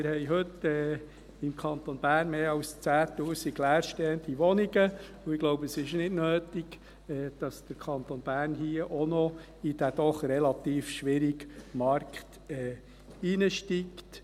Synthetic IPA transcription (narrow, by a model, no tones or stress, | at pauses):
mɪɾhɛjɦɵtːɛː | ɪmkʰɑnt̪onbæːrnmeːɑlst͡sæːt̪uːsiklæːɾʃtɛənd̪iʋɔniɡə | uɪɡ̥loʊbəəsɪʃnɪdnøːtiɡ | ɛːd̥ɑsd̥əɾkʰɑnt̪onbæːrnɦiːəʔonɔ | id̥æd̥̪ɔχrɛlɑt̪iːfʃʋɪɾiɡmɑɾkt̪ | ɛː | inəʃtiːkt